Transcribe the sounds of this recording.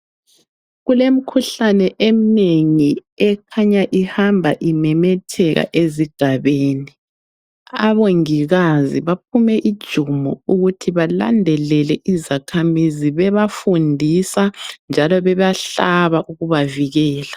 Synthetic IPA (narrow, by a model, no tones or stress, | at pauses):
ɣulem̩kʰuɬanɛʔem̩neŋiɛkʰaɲaʔihambʱaʔimɛmɛtʰɛɣa̰ʔeziɡ̥ʱaβeːni | a̰βoŋiɣazḭβap̚ʰumɛʔid̥ʒ̥ʱumuuɣutʰiβala̰ndʱɛlɛlɛʔizakʰamiziβɛβafundʱisand͡ʒʱalɔβɛβaɬaβaʔuɣuβaviɣɛːla